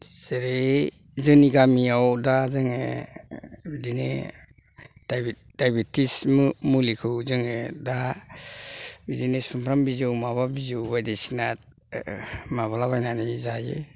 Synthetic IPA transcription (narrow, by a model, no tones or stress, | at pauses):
seɾezɯniɡamiawdazɯŋe | bidinḛ | d̥d̥ajbitʰismmulikʰɯwzɯŋeda | bidinesumpʰɾambizɯwmababizɯwbajdesinat | maβalaβajnanizajḛ